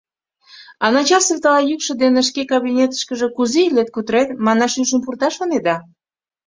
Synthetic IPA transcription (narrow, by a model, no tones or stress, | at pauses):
ɑnɑt͡ɕɑseft̪əlɑjykʃə̆d̪eneʃ̬kekɑβinʲet̪ə̥̆ʃkəʒĕkuzeilet̪̚kut̪əɾet̪mɑnɑʃyʃəmpurt̪ɑʃoned̪ɑ